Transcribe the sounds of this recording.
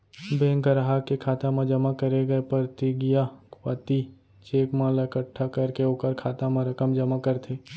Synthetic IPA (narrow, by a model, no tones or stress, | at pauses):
bẽːŋkəɾaɦakekʰaːt̪amãd͡ʒɐmakɐɾeɡɐepɐɾt̪iɡijakwa̰ːt̪i | t͡ʃeːkmãlɐkəʈʰːakɐɾkeoːkəɾkʰaːt̪amãɾɐkəmd͡ʒɐmakɐɾt̪ʰeː